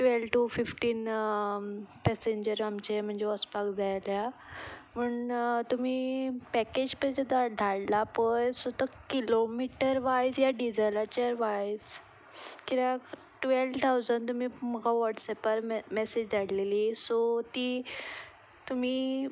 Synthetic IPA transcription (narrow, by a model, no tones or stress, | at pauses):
ʈʋelʈufifʈiːn | pɛseɲd͡ʑəɾamt͡ɕem̤əɳd͡zeɔspakd͡zajlja | məɳt̪um̤iːpɛked͡ʑpəd͡ʑəd̪ad̪ʱaɽlapəjsot̪əkilomiʈəɾʋajsjaɖid͡zəlat͡ɕəɾʋajs | kiɾak | ʈʋelʋt̪ʰawd͡zənt̪um̤iːməɡaʋɔʈsɛpəɾmɛsed͡ʑd͡zaɽleliːsot̪iː | t̪um̤iː